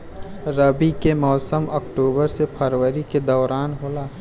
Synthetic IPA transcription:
ɾəbikemɔːsəmɔːkʈoːbəɾsepʰəɾwəɾiked̪ɔːɾaːnɦoːlaː

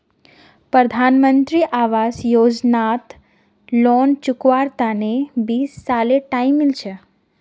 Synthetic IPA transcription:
pɾəd̪ʱanmənt̪ɾiʔaʋasjoːd͡ʒnat̪ | lɔnt͡ʃʊkʋaɾt̪anebiːsːaleʈaimːilt͡ʃʰe

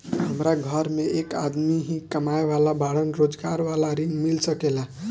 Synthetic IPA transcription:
ɦəmɾaɡʱəɾmeeka̰d̪miɦĩkəmaeʋalabaɽənɾod͡ʒɡaɾʋalaɾiŋɡmilsəkela

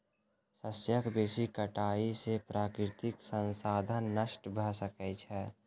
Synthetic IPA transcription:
səsjəkbeːsikəʈaːisepɾʔaːkɾɪt̪ɪksə̃nsaːd̪ʱənːəʃʈbʱəsəkɛt͡ʃʰɛ

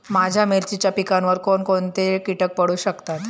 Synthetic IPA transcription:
mad͡ʑʱjameɾt͡ɕit͡ɕapikanʋəɾkonkont̪ekiʈək̚pəɽuːɕəkt̪at̪

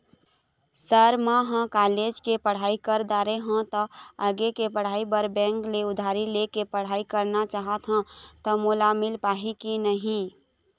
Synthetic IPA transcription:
səɾmaɦə̃kaːled͡ʒkepəɽ̤aːikəɾd̪aɾeɦə̃t̪ɔəɡekepəɽ̤aːibəɾbɛ̃ŋkleʊd̪ʱaɾilekepəɽ̤aːikəɾnat͡ʃaːɦət̪ɦə̃t̪ɔmulamɪlpaːɦikinəɦĩ

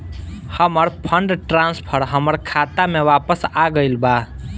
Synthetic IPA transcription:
həməɾpʰəɳɖʈɾãnspʰəɾɦəməɾkʰat̪amewapəsaɡəɪlba

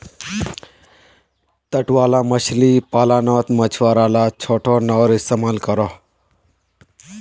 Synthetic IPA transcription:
t̪əʈʋaːlaməʃlipaːlaːnoːt̪mət͡ʃʰʋaːɾalat͡ʃʰoːʈʰonɔɾɪst̪emaːlkəɾoː

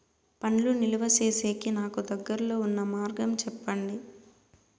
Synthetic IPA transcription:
pɐɳluniluʋɐseːse̞ːkinaːkud̪ɐɡːɐɾɐlo̞ːunːɐmaːɾɡɐmt͡ʃɛpːɐɳɖi

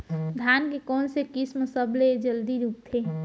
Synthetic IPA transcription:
d̪ʱjankekɔːnsekisməsəbled͡ʒəld̪iɾup̚t̪ʰe

